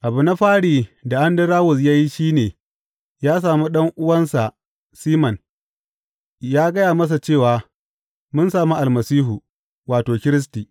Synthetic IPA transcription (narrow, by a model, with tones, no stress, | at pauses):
ʔa˨bʊ˨na˦ɸaː˦ɽiː˨da˨ʔa˦ndɐ˦ɾaː˦wʊ˨s̬jaː˦ji˦ʃiː˦neː˨ | jaː˦s̬aː˨mu˦ɗɐ˦ŋʔʊ˦wɐ˦nsa˨ʔ | siː˦mɐ˨n | jaː˦ɡɐ˦jaː˨mɐ˦s̬a˨t͡ʃeː˦˨waː˨ | mʊ˦nsaː˨mu˦ʔa˨lmɐ˨siː˦ɦu˨ | waː˨toː˨kʲɪ˦ɾɪ˦s̬tiː˨